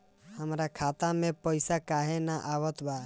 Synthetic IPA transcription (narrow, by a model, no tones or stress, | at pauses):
həmɾakʰaːt̪amẽpəɪsakaːɦenaʔaːʋət̪baː